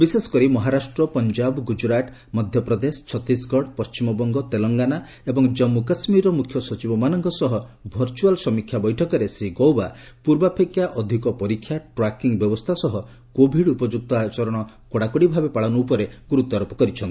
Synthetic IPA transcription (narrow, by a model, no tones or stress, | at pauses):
bisesɔ̥kɔɾimɔɦaɾasʈɾɔpɔnd͡ʒabɡud͡ʒɾaʈ | mɔd̪ʱjɔpɾɔd̪esɔ̥t͡ʃʰɔt̪ːisɡɔɽpɔst͡ʃimɔbɔŋɡɔt̪elɔŋɡana | ebɔŋd͡ʒɔmːukɔsmiɾɔmukʰjɔsɔt͡ʃibɔmanɔŋkɔsɔɦɔbʱɔɾt͡ʃualsɔmikʰjabɔjʈʰɔkɔɾesɾiɡowba | puɾbapʰekjaʔɔd̪ʱikɔpɔɾikʰːjaʈɾakiŋbjɔbɔst̪ʰasɔɦɔ | kobʱiɽupɔd͡ʒuk̚t̪ɔat͡ʃɔɾɔɽ̃ɔ | kɔɽakuɽibʱabepaɭɔnup̬ɔɾeɡuɾut̪ɔɾɔpɔ̥kɔɾit͡ʃʰɔnt̪i